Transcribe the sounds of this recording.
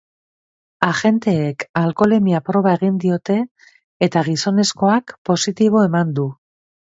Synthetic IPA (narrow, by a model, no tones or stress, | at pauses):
axe̞nt̪e̞ːkalko̞le̞miapɾo̞βae̞ɣind̪io̞t̪e̞ː | t̪aɣ̞iso̞ne̞sko̞akpo̞sit̪iβ̞o̞e̞mand̪u